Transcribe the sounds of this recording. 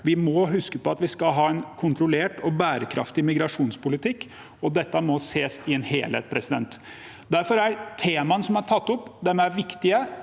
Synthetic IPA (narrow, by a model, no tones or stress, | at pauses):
ʋɪmɔɦʉskəpɔɑt̪ʋɪskɑɦɑːɛnkʰʊnt̪ɾʊleːʈɔbæːɾəkʰɾʔɑ̰ft̪ɪmɪɡɾɑʂuːnspʊlɪt̪ʰɪkː | ɔd̪ɛt̪ːəmɔseːsɪɛnheːlhḛt̪̚pʰɾɛsɪd̪ɛ̰nt̪ | d̪æɾfɔɾæɾt̪ʰeːmɑnəsɔmæʈʰɑt̪ːʊpːd̪ɛmæɾʋɪkt̪ɪə